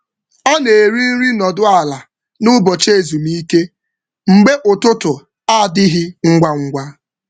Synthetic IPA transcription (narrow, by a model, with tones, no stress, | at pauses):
ɔ˦ne˨ɾi˦n̩˦ɾi˦nɔ˨dʊ˦a˨la˨ | nʊ˦bɔ˨t͡ʃe˦˨zu˨mi˦ke˦ | ŋ͡m̩˨ɡ͡be˦ʔʊ˨tʊ˦tʊ˨ | a˦˨dɪ˦ɦɪ˦ŋ̩˦ɡʷa˦ŋ̩˦ɡʷa˦